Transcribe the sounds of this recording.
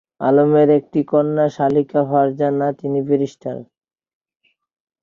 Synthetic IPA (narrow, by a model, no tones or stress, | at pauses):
a̰lomeɾek̚ʈikɔnːaʃalikaɦɔaɾd͡ʑanːat̪inibeɾiʃʈʰa̰ɾ